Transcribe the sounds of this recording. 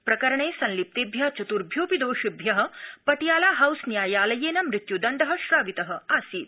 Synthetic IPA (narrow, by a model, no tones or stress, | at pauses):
pɾɐkɐɾɐɳeːsɐ̃nlip̚t̪eːbʱjat͡ʃut̪uɾbʱjoːpid̪oːʃubʱjɐɦɐ̆pɐʈijaːlaːɦɐwsnjaːjaːlɐjeːnɐmɾɪt̪jud̪ɐɳɖɐɦɐ̆ʃɾaːʋit̪ɐɦə̆aːsiːt̪̚